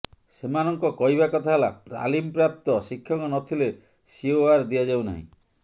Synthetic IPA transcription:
semanɔŋkɔkɔɦibakɔt̪ʰaɦelapɾa̰limpɾap̚t̪ɔsikʰːjɔŋkɔnɔt̪ʰile | sioaɾd̪iad͡ʒawna̰ɦḭ̃

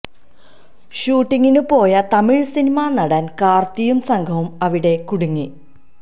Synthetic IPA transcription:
ɕuːʈːiŋːinupo̞ːjɐt̪ɐmiɭsinimanɐɽankaːrt̪ijumsɐŋɡʰʱɐʋumɐʋiɽe̞kuɽuŋːi

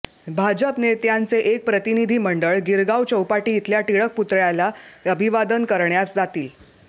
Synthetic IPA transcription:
bʱad͡ʑəpnet̪jant͡seʔek̚pɾət̪inid̪ʱiːməɳɖəɭɡiɾɡawt͡ɕəwpaʈiːt̪ljaʈiɭək̚put̪ɾjalaəbʱiʋad̪ənkəɾɳjasd͡zat̪iːl

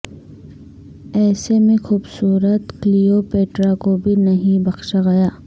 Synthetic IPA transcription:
ɛːsemẽxuːbsuːɾət̪klijoːpeːʈɾakobʱinɐɦĩbɐxʃaɡɐjaː

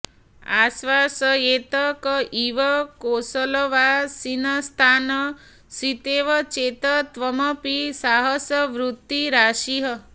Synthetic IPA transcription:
a̰sʋasəet̪əkiʋəkosələʋasinəst̪ʰanə | sit̪eʋət͡ʃet̪ət̪ʋəməpisaɦəsəʋɾut̪ːiɾaʃiɦə

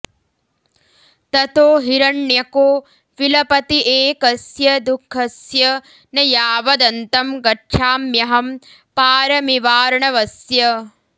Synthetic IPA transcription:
t̪ɐt̪oːɦiɾɐɳːjɐkoː | ʋilɐpɐt̪iʔeːkɐsjɐd̪ukʰːɐsjɐ | nɐjaːʋɐd̪ɐnt̪ɐmɡɐʈːʂʰaːmjɐɦɐm | paːɾɐmiʋaːɾɐɳɐʋɐsjɐ

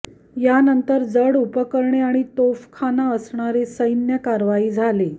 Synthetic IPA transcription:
janənt̪əɾd͡zəɽupəkəɾɳeaɽ̃it̪ofkʰanaəsɳaɾesəjnjəkaɾʋaiːd͡zʱale

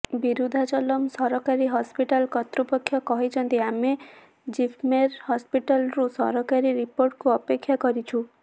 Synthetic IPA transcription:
biɾud̪ʱat͡ʃɔlɔmsɔɾɔkaɾiɦɔspiʈalkɔt̪ɾupɔkʰːjɔkɔɦet͡ʃʰɔnt̪iame | d͡ʒipʰmeɾhɔspiʈalɾusɔ̰ɾɔkaɾiɾipoɾʈkuɔpekʰːjakɔɾit͡ʃʰu

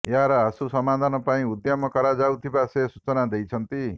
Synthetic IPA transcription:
eɦaɾɔasusɔmad̪ʱanɔpaĩud̪jɔmɔkɔɾad͡ʒaut̪ʰibasesut͡ʃɔnad̪ejt͡ʃʰɔnt̪i

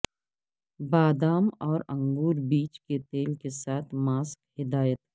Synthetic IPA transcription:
baːd̪aːmɔːɾɐ̃ŋɡuːɾbiːt͡ʃket̪eːlkesaːt̪ʰmaːskhɪd̪aːjət̪

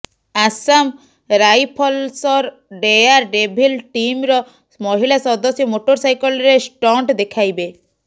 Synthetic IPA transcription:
asam | ɾajpʰɔlsɔɾ | ɖeaɾɖebʱilʈimɾɔ | mɔɦilasɔd̪ɔsjɔmoʈoɾsajkɔlɾesʈɔɳʈd̪ekʰajbe

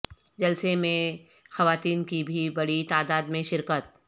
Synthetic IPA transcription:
d͡ʒɐlsemẽ | xɐʋaːt̪iːnkibʱibɐɽit̪aːd̪aːd̪mẽʃɪɾkət̪̚

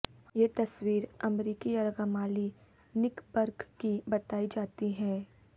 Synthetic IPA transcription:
jeːt̪ɐswiːɾɐmɾiːkiɐɾɡəmaːli | nɪkbɐɾɡkibɐt̪aːid͡ʒaːt̪iɦɛː

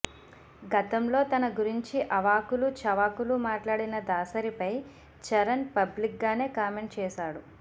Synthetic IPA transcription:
ɡɐt̪ɐmlo̞ːt̪ɐnɐɡuɾiɲt͡ʃiʔɐʋaːkulut͡ʃɐʋaːkulumaːʈlaːɽinɐd̪aːsɐɾipɐj | t͡ʃɐɾɐnpɐblik̚ɡaːne̞ːkaːme̞ɳʈ̚t͡ʃɛːʃaːɽu

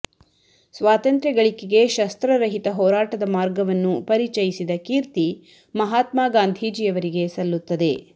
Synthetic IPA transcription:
sʋaːt̪ɐnt̪ɾɛɡɐɭikːeɡe̞ʃɐst̪ɾɐɾɐɦit̪ɐɦɔːɾaːʈɐd̪ɐmaːɾɡɐʋɐnːupɐɾit͡ʃɐjisid̪ɐkiːɾt̪i | mɐɦaːt̪maːɡaːnd̪ʱid͡ʒijɐʋɐɾiɡesɐlːut̪ːɐd̪e̞

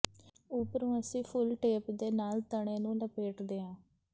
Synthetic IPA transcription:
upəɾõːəsĩːpʰʊlʈeːpd̪eːnaːlt̪əɳeːnũːləpeːʈd̪eːãː

